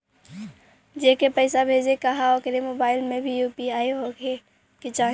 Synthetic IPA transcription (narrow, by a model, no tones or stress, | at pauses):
d͡ʒeːkepɛɪsabʱeːd͡ʒekɐɦaokeɾemoːbaːɪlmẽbʱijuːpiaːeɦoɡe | kit͡ʃaːɦ